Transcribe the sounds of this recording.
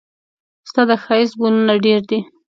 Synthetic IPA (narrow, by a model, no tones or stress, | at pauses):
st̪ad̪əxɑisbulunaɖeɾd̪i